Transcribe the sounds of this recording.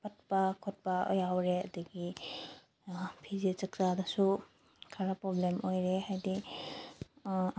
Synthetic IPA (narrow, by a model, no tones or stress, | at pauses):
pɐt̚pɐkʰot̚pɐo̰jawɾeɐ̰diɡi | pʰizet͡ʃɐk̚t͡ʃadɐsu | kʰaɾapɾɔblemʔojɾehajdi